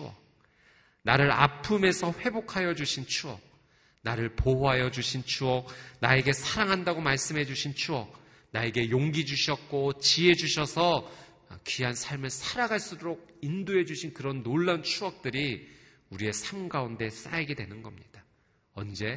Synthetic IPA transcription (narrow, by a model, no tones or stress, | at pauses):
t͡ɕʰuʌ̰k | naɾɯɾa̰pʰume̞sʰʌɸwe̞bokʰajʌd͡ʑuɕʰint͡ɕʰuʌ̰k̚ | naɾɯɭpooɦajʌd͡ʑuɕʰint͡ɕʰuʌk̚nae̞ɡe̞sʰaɾaŋɦandaɡomaɭs͈ɯmɦe̞d͡ʑuɕʰint͡ɕʰuʌk̚ | nae̞ɡe̞joŋɡid͡ʑuɕʰijʌt̚k͈ot͡ɕiɦe̞d͡ʑuɕʰʌsʰʌ | kiɦansʰaɭmɯɭsʰaɾaɡaɭs͈uɾoɡ̚indoɦe̞d͡ʑuɕʰinkɯɾʌnːoɭːant͡ɕʰuʌk̚t͈ɯɾi | uɾie̞sʰamɡaunde̞s͈aiɡe̞dwenɯnɡʌmɲid̥a | ʌnd͡ʑe̞